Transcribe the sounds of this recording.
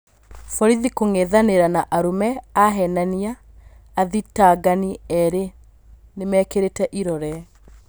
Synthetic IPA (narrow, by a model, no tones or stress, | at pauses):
fɔɾiðikoŋeðaneɾanaʔaɾomɛaɦɛnaniaː | ðitaːɡaniɛɾe | nemɛːkeɾetɛʔiɾɔɾɛ